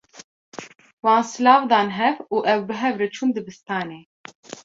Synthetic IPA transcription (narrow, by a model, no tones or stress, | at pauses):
wɑ̃ːnsɨlɑːvd̪ɑːnɦɛvuːʔɛwbɨɦɛvɾɨt͡ʃʰuːnd̪ɨbɨst̪ɑːneː